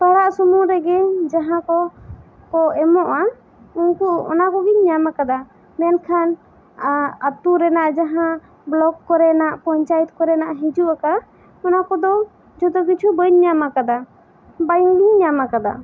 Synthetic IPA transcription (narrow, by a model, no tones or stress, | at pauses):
p̪aɾaʔsumuɾɛɡɛd͡ʒaɦãkɔ | kɔɛmɔʔa | uŋkuɔ̰nakɔɡiɲɲamakad̪a | mɛnkʰan | at̪uɾɛnaʔd͡ʒaɦã | blɔɡkːɔɾɛnaʔpɔɲt͡ʃajit̪̚kɔɾɛnaʔɦid͡ʒuʔaka | ɔnakɔd̪ɔ | d͡ʒɔd̪ɔɡit͡ʃʰubəɲɲamakad̪a | bajɡiɲɲamakad̪a̰